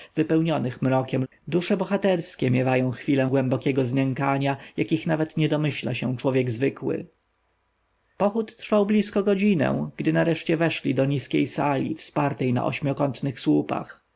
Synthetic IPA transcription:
vɘpɛwɲɔnɘxmɾɔkʲɛm | d̪uʂɛbɔxat̪ɛɾskʲɛmʲjɛvajɔ̃w̃xfʲilɛ̃ɡwɛmbɔkʲɛɡɔzmʲɛŋkaɲajakʲixnavɛt̪ɲɛd̪ɔmɘɕla̰ɕɛ̃t͡ʂwɔvʲjɛɡzvɘkwɪ̰ | pɔxut̪ːɾfawblʲiskɔɡɔd͡ʑinɛ̰̃ɡ̥d̪ɘnaɾɛʂt͡ɕɛvɛʂlʲid̪ɔɲiskʲejsalʲḭfspaɾt̪ɛjna̰ʔɔ̰ɕmʲjɔkɔnt̪nɘxswupa̰x

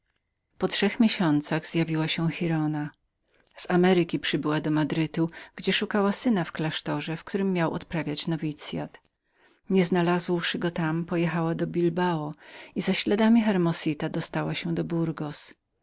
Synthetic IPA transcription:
pɔtʂɛxmʲjeɕɔnt̪saɣz̥javʲiwaɕɛxiɾɔna | z̥amɛɾɘkʲipʂɘbɘwad̪ɔmad̪ɾɘt̪uɡ̥d͡ʑɛʂukawasɘnafklaʂt̪ɔʐɛfk̚t̪uɾɘmːjawʔɔ̰t̪pɾavʲjat͡ɕnɔvʲit̪sʲja̰t̪ | ɲɛznalazwʂɘɡɔt̪ampɔjɛxawad̪ɔbʲilbaɔizaɕlɛd̪amʲixɛɾmɔsʲit̪ad̪ɔst̪awaɕɛd̪ɔbuɾɡɔs

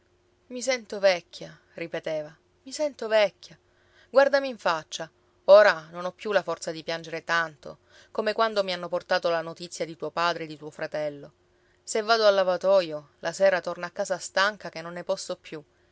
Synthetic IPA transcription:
misɛnt̪ovɛkʰʲːa | ripet̪eːva | misɛnt̪ovɛkʰʲːa | ɡward̪amiːɱfat͡ʃːa | oːɾanonɔpːjulafɔrt̪sad̪ipjand͡ʒeɾet̪ant̪o̰ | komekwand̪omianːoport̪aːt̪olanot̪it̪sːjad̪it̪uːopaːd̪ɾed̪it̪uːofɾat̪ɛlːo | sevːaːd̪oalːavat̪ɔjolʔasɛːɾat̪ornaːkːaːzast̪aŋkakenːonːepɔsːopːju

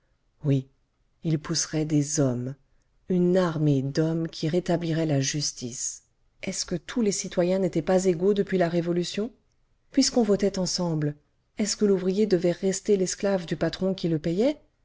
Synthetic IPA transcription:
wi | ilpusʁɛd̪ezɔm | ynaʁmed̪ɔmkʲʰiʁet̪abliʁɛlaʒyst̪is | ɛskət̪ʰulesit̪wajɛ̃net̪ɛpazeɡod̪əpɥilaʁevɔlysjɔ̃ | pɥiskɔ̃vɔt̪ɛt̪ɑ̃sɑ̃bl | ɛskəluvʁijed̪əvɛʁest̪elɛsklavd̪ypat̪χɔ̃kʲiləpɛjɛ

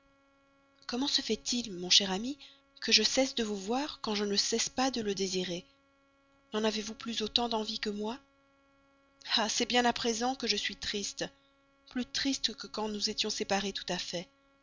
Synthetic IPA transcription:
kɔmɑ̃səfɛt̪ʰilmɔ̃ʃɛʁami | kəʒəsɛsd̪əvuvwaʁkɑ̃ʒənəsɛspad̪ələd̪eziʁe | nɑ̃navevuplysot̪ɑ̃d̪ɑ̃vikəmwa | asɛbjɛ̃napχezɑ̃kəʒəsɥit̪χist̪ | plyt̪χist̪kəkɑ̃nuzet̪jɔ̃sepaʁet̪u̥t̪afɛ

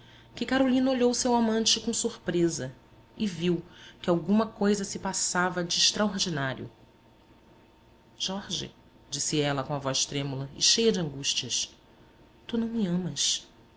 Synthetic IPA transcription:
kɪkaɾolĩnɐoʎowsewamɐ̃nt͡ʃɪkõw̃suχpɾezɐ | ɪviwkɪawɡũmɐkojzɐsɪpasavɐd͡ʒɪːʃt̪ɾaoɾd͡ʒinaɾjʊ̰ | ʒ̥ɔɾʒɪ̰ | d͡ʒisɪɛlɐkõɐvɔjʃt̪ɾẽmulɐɪ̰ʃejɐd͡ʒɪɐ̃ŋɡuʃt͡ʃiɐs | t̪unɐ̃w̃mɪɐ̃mɐs

